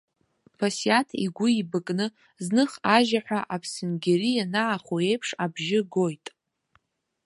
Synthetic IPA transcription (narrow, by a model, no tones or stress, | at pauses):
pʰasjatʰiɡʷʊibɨkʼnɨ | znɨχaʒaħʷᶣaʔapʰsɨnɡʲeɾijanaːχoejpʰʂabʒɪɡo̞jtʼ